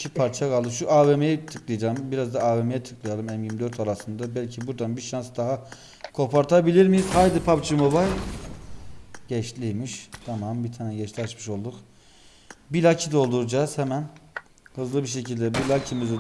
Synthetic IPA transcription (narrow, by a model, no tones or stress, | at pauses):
cʰipʰaɾt͡ʃʰakalˠd̪ɯʃ̬uʔaːvemejɛt̪ʰɯklˠɯjd͡ʒambiɾazd̪aːvemejɛt̪ʰɯ̥klˠɯjalˠɯmɛmjimd̪øɾt̪ʰalˠasɯnd̪abælʲcʰibuɾd̪anbiʃansd̪aɦa | kʰo̞pʰaɾt̪ʰabilʲiɾmijiz̥hajd̪ɯpʰapt͡ʃʰɯmobajlʲ | ɟɛʃlʲijmiʃt̪ʰamambit̪ʰaːnɛɟɛt͡ʃlʲiat͡ʃmɯʃo̞lˠd̪uk | bilʲacʰid̪o̞lˠd̪uɾd͡ʒaːz̥hɛmæn | hɯzlˠɯbiʃ̬e̞cʰilʲd̪ɛbilʲacʰimiz